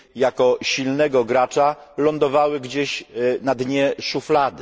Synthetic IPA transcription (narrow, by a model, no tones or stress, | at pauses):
jakɔɕilnɛɡɔɡɾat͡ʂalɔnd̪ɔvawɘɡd͡ʑeɕnad̪ɲɛʂuflad̪ɘ